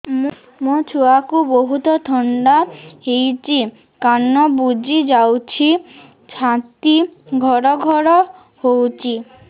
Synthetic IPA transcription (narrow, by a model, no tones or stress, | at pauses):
m | mot͡ʃʰuakuboɦut̪ɔt̪ʰɔɳɖahejt͡ʃi | kanːɔbud͡ʒid͡ʒawt͡ʃʰi | t͡ʃʰãt̪iɡʱɔɾɔɡʱɔɾɔ | howt͡ʃʰi